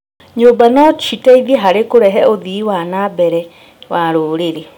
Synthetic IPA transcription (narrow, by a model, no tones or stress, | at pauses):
ɲombanɔt͡ʃitaiðiɛɦaɾekoɾɛɦɛoðiwanabɛɾɛ | waɾoːɾeɾe